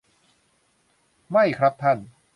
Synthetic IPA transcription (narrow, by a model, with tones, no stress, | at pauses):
ma˥˩jkʰɾa˦˥p̚t̪ʰa˥˩n